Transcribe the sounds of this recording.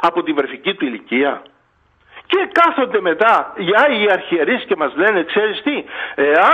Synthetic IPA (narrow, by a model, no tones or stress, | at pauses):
ɐpo̞t̪ivɾeficit̪uiliciɐ | ce̞kɐθo̞nd̪e̞me̞t̪ɐʝɐiɐɾçieɾisce̞mɐzle̞nekse̞ɾist̪ie̞ɐ